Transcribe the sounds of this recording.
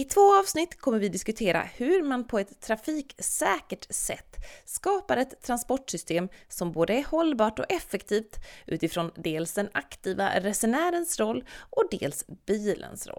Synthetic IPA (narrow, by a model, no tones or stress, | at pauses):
ɪt̪ʰvoːɑːvsnɪt̪ːkʰɔmːəɾvɪd̪ɪskɵt̪ʰeːɾa̰hɵɾmanpʰɔɛt̪ʰːɾafiːksɛːkəʈsɛ̰t̪ːskɑːpaɾɛt̪ʰːɾanspɔʈʂʏst̪eːmsɔmboːd̪əæɾhɔlːbɑːʈɔ̰ɛfːɛkt̪ʰiːft̪ʔʉ̟ːt̪ɪfɾɔnd̪eːlsd̪ɛnakt̪ʰiːva̰ɾɛsʊnæːɾənsɾɔlːʔɔd̪ḛːlsb̥iːlʔə̰nsɾɔ̰